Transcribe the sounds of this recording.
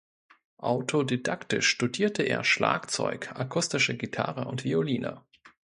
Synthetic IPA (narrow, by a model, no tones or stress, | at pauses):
ʔaʊtʰodidaktɪʃʃtudiːɐtʰəʔeːɐʃla̰ːkt͡sɔ̰ʏkʔakʰʊstɪʃəɡitʰa̰ʁəʊntv̥ioliːnə̰